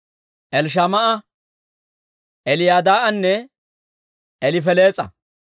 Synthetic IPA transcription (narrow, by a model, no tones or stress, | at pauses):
ʔɛlʃ̬ɐmɐʔɐ | ʔɛlɪjaːd̪aːʔɐnːɛ | ʔɛlɪfɛleːt͡sʼɐ̰